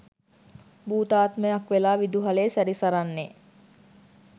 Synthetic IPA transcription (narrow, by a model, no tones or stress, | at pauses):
buːt̪aːt̪məjakʋelaːʋid̪uɦaleːsæɾisaɾanːe